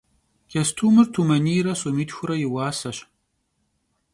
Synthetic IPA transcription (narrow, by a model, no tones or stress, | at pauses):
kʰɐstʰuːmɨrtʰumɐniːɾɐsʼomiːtxʷʊɾɐjɪwaːsɐɕ